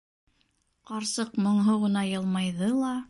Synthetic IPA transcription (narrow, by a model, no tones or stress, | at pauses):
qɑɾsɤqmŏɴɦoʁɤ̆nɑjɤ̆lˠmɑjðɤlˠɑ